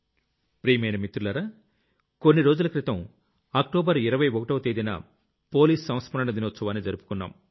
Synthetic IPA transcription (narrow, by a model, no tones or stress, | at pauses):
pɾiːmɐjnɐmit̪ɾulɐɾa | konːiɾo̞ːd͡ʒulɐkɾit̪ɐm | aːkʈoːbɐɾiɾɐʋɐjokɐʈɐʋt̪eːd̪inɐ̰ | po̞ːliːsːɐmɐt̪spɐnɐnɐd̪inot͡ʃːsɐʋaːnːid͡ʒɐɾupu̥kunːa̰ːm